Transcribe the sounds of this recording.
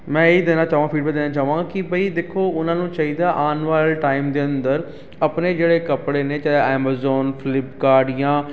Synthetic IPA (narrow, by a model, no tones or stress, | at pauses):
mɛ̃ːeːd̪eːnaːt͡ʃaːʋãːpʰiːɖbiːd̪eːnãːt͡ʃaːuʋãːkɪbəiːd̪eːkʰːoːʊnãːnũːt͡ʃaːɦiːd̪aːʔaːnʋaːlʈaːɪmd̪eːənd̪əɾ | əpneːd͡ʒeːɽeːkəpɽeːneːt͡ʃaɛːmaːzɔːnpʰɪlɪpkaːɾɖɪjãː